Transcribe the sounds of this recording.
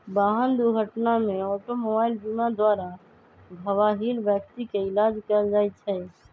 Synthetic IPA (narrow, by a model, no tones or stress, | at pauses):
baɦənd̪uɾɡʱəʈnameɔʈomobaild͡ʒunad̪waɾa | bʱəwaɦilbjək̚t̪ikeilad͡ʒkəld͡ʒajt̪̚t͡ʃʰɛ